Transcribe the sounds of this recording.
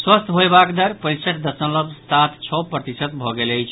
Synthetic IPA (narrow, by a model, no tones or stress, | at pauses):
swəst̪ʰɦojbakd̪əɾpəɾisəʈd̪əsə̃nləbsat̪ʰt͡ʃʰɔpɾət̪isət̪̚bʱɔɡeləjt͡ʃʰ